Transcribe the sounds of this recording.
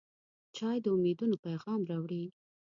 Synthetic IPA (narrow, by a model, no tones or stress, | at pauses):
t͡ʃɑjd̪əumed̪unopajɣɑmɾawɽi